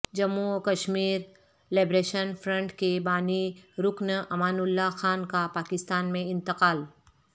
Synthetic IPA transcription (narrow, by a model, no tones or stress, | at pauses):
d͡ʒɐmːuɔkɐʃmiːɾ | laːbɾeːʃənfʰɾə̃ɳʈkebaːniɾʊknɐmaːnʊlːaxaːnkapaːkɪst̪aːnmẽɪ̃nt̪ɪqaːl